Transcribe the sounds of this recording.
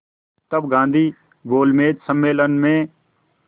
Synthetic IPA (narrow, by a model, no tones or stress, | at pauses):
t̪əbɡãːnd̪ʱiː | ɡoːlmeːd͡ʒ̪səmːeːlənmẽː